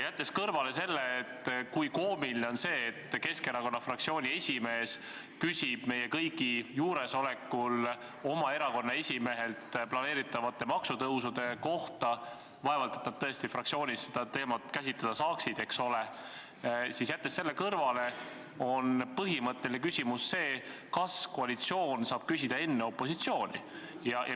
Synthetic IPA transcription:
jæt̪ːe̞skɤrvɑle̞se̞lːeːt̪ːkujko̞ːmilineo̞nse̞ːt̪ːke̞ske̞ɾɑko̞nːɑfrɑkt̪sio̞ːnʲie̞sʲime̞ːs | kysʲib̥me̞jekɤjɡijuːɾe̞so̞lekːˑul | o̞mɑe̞ɾɑko̞nːɑe̞sʲime̞ɦe̞lt̪plɑne̞ːɾit̪ːˑɑvɑt̪ːˑe̞mɑksut̪ɤwsud̪̥e̞ko̞ht̪ɑ | vɑevɑlt̪et̪nɑd̪̥̚t̪ɤest̪ifrɑk̪̚sio̞ːnʲissed̪̥ɑt̪e̞ːmɑt̪kæsʲit̪ːˑɑd̪̥ɑsɑːksid̪̥e̞kso̞le | sisjæt̪ːe̞sːe̞lːe̞kɤrvɑle̞ | o̞npɤɦimɤt̪ˑːe̞lʲinekysʲimusːe̞ːkɑsko̞ɑlit̪sio̞ːnsɑːb̥kysid̪̥ɑe̞nːe̞o̞pːˑo̞sit̪sio̞ːnʲi | jɑjʔɑ

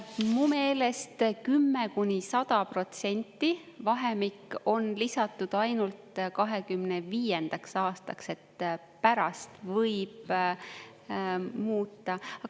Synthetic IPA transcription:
mume̞ːle̞st̪kymːekunʲisɑd̪̥ɑpro̞t̪se̞nʲt̪ːˑivɑɦe̞mikːo̞nlisɑt̪ːˑud̪̥ɑjnult̪kɑɦe̞kymne̞viːjend̪̥ɑksɑːst̪ɑkse̞t̪ | pæɾɑst̪vɤjb̥̚ | muːt̪ːˑɑɑ

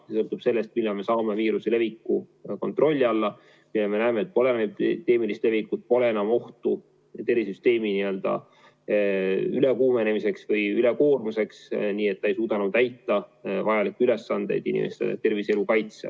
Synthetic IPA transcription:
ssɤ̞lt̪ub̥se̞lːe̞st̪̚milːɑme̞sɑːme̞viːɾusele̞vikːˑuko̞nt̪ːro̞lʲːiɑlːɑ | milːeme̞næːme̞ːt̪̚ːˑpo̞lenmed̪e̞ːmilist̪le̞vikːut̪̚po̞le̞e̞nɑmo̞ht̪u | t̪e̞risyst̪e̞ːminiø̞ld̪̥ɑ̰ | yle̞kuːme̞ne̞mise̞ksvɯjyle̞ko̞ːrmuse̞ksniːe̞t̪ːɑe̞jsuːd̪̥ɑnud̪æjt̪ːˑɑvɑjɑlikːyle̞sːɑnd̪̥e̞jd̪̥inʲḭmest̪ɑ̰ɑ̰t̪ːe̞rvise̞lukɑjt̪sḛ

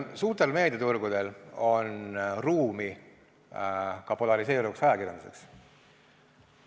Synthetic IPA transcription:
suːrt̪e̞lme̞ːd̪̥et̪urɡ̥ud̪̥e̞lo̞nruːmi | kɑpo̞lɑɾise̞ːɾuvuksɑjɑkirjɑnd̪use̞̰ks

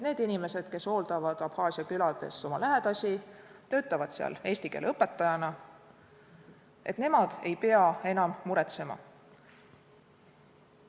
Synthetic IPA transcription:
ne̞ːd̪̥inime̞se̞d̪̥ke̞so̞ːld̪ɑvɑd̪̥ɑb̥hɑːsiɑkylɑd̪̥e̞̰so̞mɑlæɦed̪̥ɑsʲit̪ø̞ːt̪ːˑɑvɑd̪̥seɑ̰le̞ːsʲt̪ike̞̰ːleɤpːˑe̞t̪ːˑɑjɑnɑ | e̞̰t̪ne̞mɑd̪̥e̞jpe̞ɑe̞nɑmːuɾet̪se̞mɑ̰

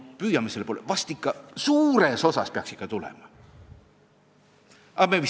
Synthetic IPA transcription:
pyːjɑmiselpolḛvɑst̪ikːɑsuːɾe̞so̞sɑspeɑ̰ksikːˑɑt̪ulḛmɑ | ʔɑmevi

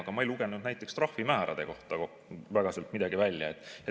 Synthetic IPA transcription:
ɡ̥ɑmɑejluɡ̥e̞nud̪næjt̪ːˑe̞kst̪rɑhfimæːɾɑ̰d̪̥e̞̰ko̞ht̪ɑko | væɡ̥ɑselt̪mid̪̥ɑɡivælʲjɑet̪ːˑe

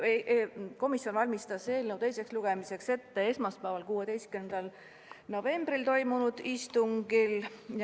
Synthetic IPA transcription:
ko̞misjo̞nvɑlʲmist̪ɑse̞ːlnəwt̪e̞jse̞ksluɡ̥e̞mise̞kse̞t̪ːe̞e̞smɑspævɑlkuːwed̪e̞jstkynend̪̥ɑl | no̞ve̞mb̥ɾilt̪o̞jmunud̪̥ist̪uŋɡ̥il

